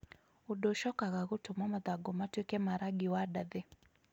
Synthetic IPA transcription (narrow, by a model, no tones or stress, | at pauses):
udoʃɔkaɣaɣʊtʊmamaðaɡɔmatwekɛmaɾaɡɪwadaðɛ